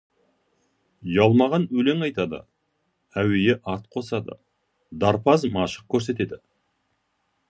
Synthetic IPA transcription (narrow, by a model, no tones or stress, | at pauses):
jɑlˠmɑʁɑnɵle̞ŋɑjt̪ɑd̪ə̰ | æwe̞jeʔɑɾt̪̚qʰo̞sɑd̪ə̰ | d̪ɑɾpɑzmɑʃə̥q̚kʲʰɵɾs̬e̞t̪e̞d̪ɪ